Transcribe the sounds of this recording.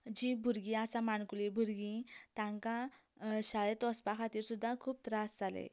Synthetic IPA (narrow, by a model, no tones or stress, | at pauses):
d͡ʑibʱuɾɡĩasamaɳkulibʱuɾɡĩt̪ãŋka | ɕaɭet̪ɔspakʰat̪iːɾsud̪ʱːakʰuːp̚t̪ɾasd͡zalḛ